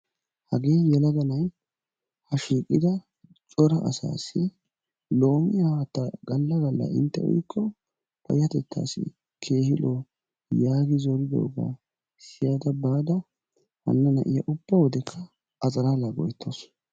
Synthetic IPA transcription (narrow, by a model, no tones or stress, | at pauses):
hɐɡe̞ːjɛlɐɡɐnɐj | hɐʃiːkʼːɪd̪ɐ | t͡ʃʼɔɾɐʔɐ̰sa̰ːsɪ | lo̞ːmɪjɐwat̪ːɐɡɐlːɐɡɐlːɐ̰ʔɪnt̪ːɛ̰wɔ̰jkʰːɔ | pɐ̰jɐt̪ɛt̪ʰːa̰ːsɪ̰ | kʰe̞ːhɪlo | jaːɡɪzɔɾɪd̪o̰ːɡa̰ | sɪjad̪ɐbaːd̪ɐ | hɐ̰nːɐnɐʔɪjɐʔʊb̥ːɐwɔd̪ɛkʰːɐ | ɐt͡sʼɐɾaːlaɡɔjt̪ʰːos